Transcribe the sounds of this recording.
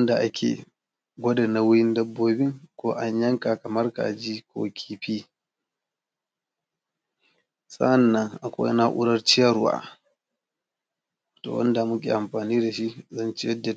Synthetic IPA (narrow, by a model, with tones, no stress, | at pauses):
wnda˨ʔa˦kʲʰḛː˨ | ɡʷɔ˦da˨na˨wʊ˦ɽɪ˦ndɐ˦bːoː˦bɪ˦ŋkʷoː˦ʔa˦ɲjɐ˦ŋka˨kɐ˨mɐ˦rka̰˨d͡ʒiː˦kʰʷo̰ː˦kʲʰiː˦ɸiː˦ | sa̰˦ʔa˨nːɐ˦ŋʔa˨kʷo̰˦jna˦ʔʊ̰˦ɽɐ˦rt͡ʃɪ˦jɐ˦˨ɾwa̰ː˨ | wa˨to̰ː˨wɐ̰˦nda˨mʊ˦k̬ʲḭː˨ʔa˨mɸaː˨niː˦da˨ʃi˦zɐ˦˨nt͡ʃi˦jɐ˦dːe˨